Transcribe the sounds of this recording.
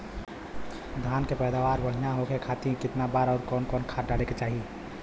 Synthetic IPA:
d̪ʱankepɛjd̪aʋaɾbəɽ̤ijaɦokekʰat̪ĩkɪt̪nabaɾaːɾkɔːnkɔːnkʰaɖaleket͡ʃaːɦi

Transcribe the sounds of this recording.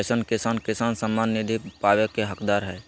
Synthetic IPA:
sənkɪsaːnkɪsaːnsəmːaːnːɪd̪ʱipaːʋekeɦəkd̪aːɾɦɛː

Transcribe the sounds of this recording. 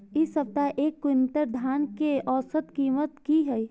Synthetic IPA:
ɪsɐp̚t̪aʔeːkːʊnt̪əɾd̪ʱaːnkeɔːsət̪kiːmət̪kiɦɛi

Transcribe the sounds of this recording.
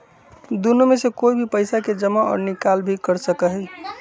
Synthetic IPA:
d̪unumesekoibʱipəɪsaked͡ʒəmaɔ̰ːɾnikalbʱikəɾsəkəɦɛ

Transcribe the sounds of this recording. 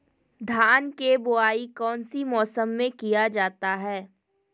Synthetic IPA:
d̪ʱaːnkebʊaːikɔːnsimɔːsəmːẽkijad͡ʒaːt̪aɦɛː

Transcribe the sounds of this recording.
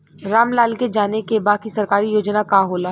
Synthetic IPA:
ɾaːmlaːlked͡ʒaːnekebaːkisɐɾkaːɾijoːd͡ʒnakaɦoːlaː

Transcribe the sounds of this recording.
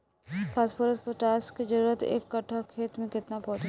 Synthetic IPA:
pʰaːspoːɾəspəʈaːsked͡ʒəɾuːɾət̪ḛːkːɐʈʰːakʰeːt̪mẽkɪt̪napɔːt͡ʃ

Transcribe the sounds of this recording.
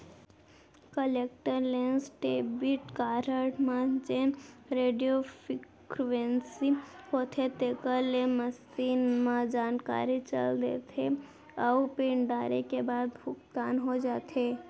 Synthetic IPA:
kəleːkʈəɾleːnsʈeːbiʈkaːɾəʈmãd͡ʒẽɾeːɖijofɪ | kɾʋensihoːt̪ʰet̪eːkəɾlẽməs | iːnmãd͡ʒaːnka̰ːɾit͡ʃə̰ld̪ḛːt̪ʰe | ɔpeːɳɖaːɾekebaːd̪bʱʊkt̪aːnɦod͡ʒaːt̪ʰeː

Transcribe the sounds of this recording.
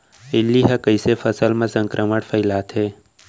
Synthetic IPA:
ɪlːiɦɐkəisefʰəsəlmẽsə̃ŋkɾʔəməɽpʰəɪlaːt̪ɦeː

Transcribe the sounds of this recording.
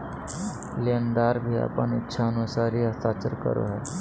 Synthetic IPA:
lend̪aɾbʱiːa̰pəɳitːɕʰaənusaɾiːəst̪at͡səɾkə̰ɾo̰ɦɛ

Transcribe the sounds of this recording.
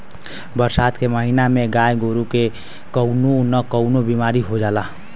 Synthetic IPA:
bəɾsaːt̪keməɦinamẽɡaːjɡoːɾuke | kəʊnonəkəʊnobimaːɾiɦod͡ʒaːlaː

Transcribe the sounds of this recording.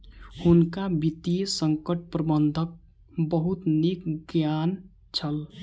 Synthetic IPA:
hʊnkabit̪ijəsəŋkəʈ̚pɾəbənd̪ʱək̚ | bəɦut̪nikɡjaːn | t͡ʃʰəl

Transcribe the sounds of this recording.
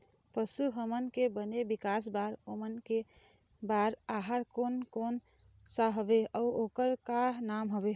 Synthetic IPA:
pəsuɦəmənkebənebikas̬baɾomənke | baɾaɦaɾkonkon | saɦəbeəuokəɾkanamɦəbe

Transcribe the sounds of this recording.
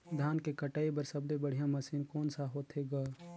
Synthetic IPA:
d̪ʱaːnkekəʈaːibəɾsəb̚d̪ebəɽ̤ijãmɐsiːnkoːnsaɦoːt̪ɦeɡaː

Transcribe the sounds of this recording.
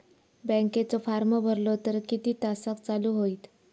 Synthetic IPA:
bɛ̃ŋket͡sɔfaɾməbʱəɾlɔt̪əɾkit̪iːt̪asakt͡saluɦoit̪

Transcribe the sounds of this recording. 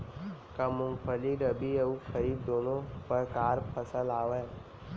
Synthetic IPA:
kəmʊ̃mpʰəliɾəbiəupʰəɾid̪oːnõpəɾkaːɾpʰəsəlaːʋə

